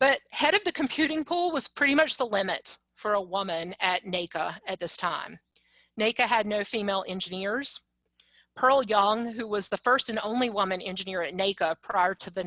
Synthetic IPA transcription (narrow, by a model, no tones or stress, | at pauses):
b̥ʌt̚hɛɾʌvðɨkʰm̩pʰj̥ʉɾɪ̃ŋpʰulˠwʌz̥pʰɹ̥ɪɾimʌt͡ʃðəlɪ̃mɨt | fə˞əwʊmɨ̃nɨtⁿneɪkəɨt̪̚ðɪstʰãɪ̃m | neɪkɨɨdⁿnoʊfimeɪlˠʔɛ̃nd͡ʒɨnɪɹz̥ | pʰɜ˞lˠjʌ̃ŋɦʉwʌzðəfɜ˞stɨ̃nõ̰ʊ̃nliwʊmɨ̃nɛ̰̃nd͡ʒɨnɪɹɨtⁿneɪkəpʰɹ̥aɪə˞ɾɨðɨ